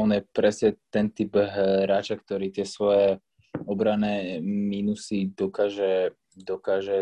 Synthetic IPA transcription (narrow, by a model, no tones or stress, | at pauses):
ɔnjɛpɾɛsɲɛt̪ɛnt̪ibɦɾaːt͡ʃakt̪ɔɾiːt̪ɪɛsʋɔjɛ | ɔbɾanɛːminusid̪ɔkaːʒɛ | d̪ɔkaːʒɛ